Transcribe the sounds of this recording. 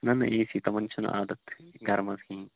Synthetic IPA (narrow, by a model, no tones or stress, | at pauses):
nɐnːɐʔeːsit̪ɐmɐnt͡ʃʰɐnɐ̰ʔaːd̪ɐt̪ɡɐɾmɐskĩː